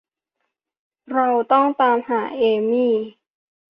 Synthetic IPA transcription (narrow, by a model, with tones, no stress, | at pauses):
ɾa˧wt̪ɔ˥˩ŋt̪aː˧mhaː˩˦ʔeː˧miː˥˩